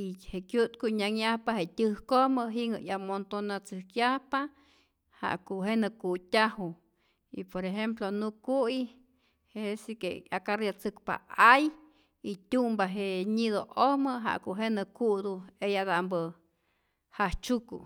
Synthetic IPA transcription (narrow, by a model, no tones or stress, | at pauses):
iheʔkjut̪kuɲaŋjahpaɦet̪ʲɨhkoməɦiŋə̰ʔjamont̪onat͡sɨhkjahpa | ha̰ʔkuʔɦenəkutʲahu | ḭpoɾeɦemp̬lonukui | hesikeakaɾjat͡sɨkpa̰aj | it̪ʲumbaɦeɲiðoʔohməɦa̰ʔkuʔɦenəkuʔd̪uejadaʔmbə | haht͡ʃukṵ